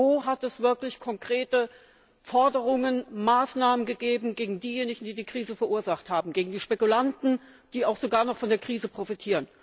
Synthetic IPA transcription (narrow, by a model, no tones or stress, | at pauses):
oːɦatɛsv̥ɪɐklɪçkʰɔŋkʁ̥eːtə | fɔɐdəʁʊŋənmaːsnaːmənɡəɡeːbm̩ɡeːɡŋ̩diːjeːnɪçŋ̩diːdiːkʁ̥iːzəfɛɐʔuːɐzaχthaːbm̩ɡeːɡŋ̩diːʃpɛkulantn̩ | d̥iːaʊxz̥oɡaːɐnɔχfɔndeːɐkʁ̥iːzəpʁ̥ofitʰiːʁən